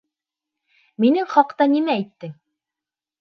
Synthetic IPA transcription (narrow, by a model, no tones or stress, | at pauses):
minɘŋχɑqt̪ɑnimæːjt̪ːɘŋ